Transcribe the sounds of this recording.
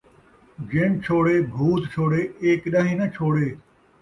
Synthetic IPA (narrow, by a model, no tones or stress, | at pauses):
d͡ʒeɳt͡ʃʰoːɽeːbʱuːt̪t͡ʃʰoːɽeːeːkɗɐɦĩːnɐt͡ʃʰoːɽeː